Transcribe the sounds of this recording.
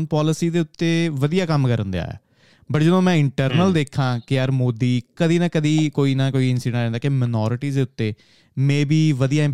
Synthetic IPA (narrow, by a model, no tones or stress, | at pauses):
npɔːlɪsiːd̪eːʊt̪ːeːʋəd̪ijaːkəmkəɾənd̪eja̰ːɛ̰ː | bəʈd͡ʒəd̪õːmɛ̃ːɪɳʈəɾnəld̪eːkʰːãːkɪjaːɾmoːd̪iːkəd̪iːnaːkəd̪iːkoːiːnaːkoːiːɪnsɪɖɛ̃nɾɛ̃ːnd̪aːkemənɔːɾɪʈiːd̪eːʊt̪ːeː | mɛ̃ːbiːʋəd̪ijaːɪ̃